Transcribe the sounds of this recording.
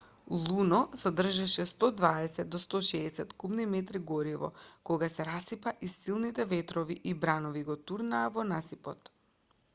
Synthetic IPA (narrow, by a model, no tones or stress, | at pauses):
lˠunɔsɔd̪r̩ʒɛʃɛst̪ɔd̪vaɛsɛd̪ːɔst̪ɔʃɛːsɛt̪kubnimɛt̪ɾiɡɔɾivɔ̰kɔɡasɛɾasipaʔisilˠnit̪ɛvɛt̪ɾɔviʔibɾanɔviɡɔt̪uɾnaːvɔnasipɔt̪